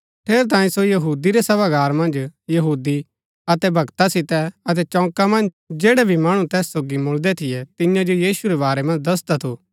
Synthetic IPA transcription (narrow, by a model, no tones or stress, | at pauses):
ʈʰeːɾt̪̬ãːĩsojɐɦuːd̪iɾɛsɐbaɡaːɾmɐ̃nd͡ʒjɐɦuːd̪i | ɐt̪ɛbʱɐɡt̪asɪt̪ɛɐt̪̬ɛt͡ʃɔ̃ːkamɐ̃nd͡ʒ | d͡ʒeːɽɛbʱimaːɽ̃ũt̪ɛːsːoːɡimʊld̪ɛt̪ʰɪjɛt̪ɪ̃jãd͡ʒojiːʃuɾɛβaːɾɛmɐ̃nd͡ʒd̪ɐs̬d̪at̪ʰoː